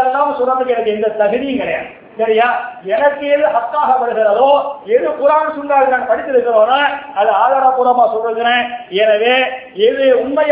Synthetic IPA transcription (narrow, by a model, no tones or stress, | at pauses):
lːaːmsɔrːɐd̪ɯkːɛnɐk̬ːɯɛnd̪ɐt̪ɐɣɪðɪjɪŋɡɐɭjɐ̰n | sɐɾɪjaːɛnɐkːɯɛðɯhɐkːaːɣɐpɐɽɯɣɪɾɐðoːɛðɯpʊɾaːsʊɳɡaːlɯnaːnpɐɽɪt̪ːɪɾɯkːɯɾõːnːaːɐðɯaːðaːɽɐpuːɾɐmaːsɔlːɯɣɐɾẽːɛnɐʋeː | ɛðɯʊnmɐj